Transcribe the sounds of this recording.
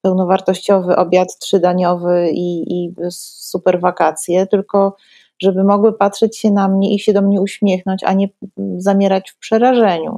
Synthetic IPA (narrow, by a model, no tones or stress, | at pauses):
pɛwnɔvaɾt̪ɔɕt͡ɕɔvɘʔɔbʲjat̪tʂɘd̪aɲɔvɘiisupɛɾvakat̪sʲjɛt̪ɘlkɔ | ʐɛbɘmɔɡwɘpatʂɛt͡ɕɕɛnamɲɛʔiɕɛd̪ɔmɲɛuɕmʲjɛxn̪ɔɲt͡ɕa̰ɲɛzamʲjɛɾat͡ɕfpʂɛɾaʐɛɲṵ